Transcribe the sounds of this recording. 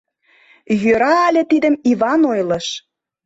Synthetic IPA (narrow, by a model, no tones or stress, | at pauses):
jøɾɑːlʲĕt̪id̪ə̆mivɑnojlɤ̆ʃ